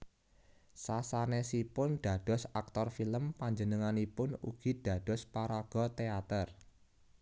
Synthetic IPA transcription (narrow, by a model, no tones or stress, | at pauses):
sasanesipʊnɖ̥a̤ɖ̥ɔ̤sak̚t̪ɔrfiləmpaɲd͡ʒənəŋanipʊnṵɡ̥i̤d̥ä̤ɖ̥ɔ̤spaɾaɡ̥ɔ̤t̪eat̪ər